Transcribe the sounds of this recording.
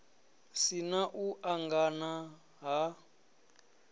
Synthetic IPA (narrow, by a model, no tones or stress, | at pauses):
sinaʔuʔaŋɡana | ɦa